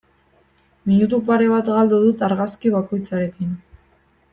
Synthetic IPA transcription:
miɲut̪̬upaɾe̞βat̪ɣald̪uðut̪aɾɣaskiβako̞jt͡saɾe̞kin

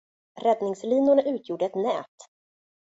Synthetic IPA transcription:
ɾɛd̪nɪŋsliːnʊɳaʔʉ̟ːt̪ʰjuːɖəɛt̪nɛ̰ːt̪

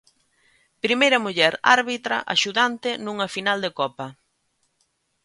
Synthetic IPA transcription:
pɾimejɾɐmuʎɛɾa̰ɾβit̪ɾɐʔa̰ʃuðant̪ɪnuŋɐfinald̪ekɔpɐ

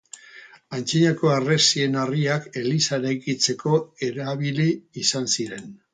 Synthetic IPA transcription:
ant͡siɲako̞aresie̞nariake̞lisaɾajkit͡se̞ko̞e̞ɾaβiliːsansiɾe̞n

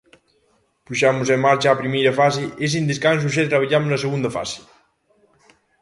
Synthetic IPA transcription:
puʃamuzemːaɾt͡ʃaapɾimejɾɐfasees̬ind̪eskans̬uʃ̬ɛt̪ɾaβ̞aʎamoznaseɣund̪ɐfa̰si̥

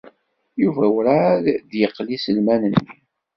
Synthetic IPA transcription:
juvæwɾaðd̪jəqlisəlmænənːi

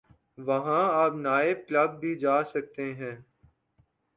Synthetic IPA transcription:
ʋɐɦãaːpnaːɪb̚kləb̚ːʱiːd͡ʒaːsək̚t̪eɦɛ̃ː

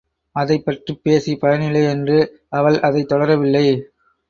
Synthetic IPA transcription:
ɐðɐɪpːɐʈripːeːsipɐjɐnɪlːɐɪɛndrɯ | ɐʋɐɭʔɐðɐɪt̪ːɔɽɐɾɐʋɪlːɐɪ

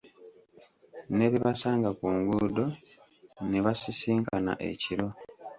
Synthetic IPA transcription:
ne̞βiβasaːŋɡakuːŋɡudo̞ | neβasisiːŋkana̰ʔe̞̰ciɾo̞

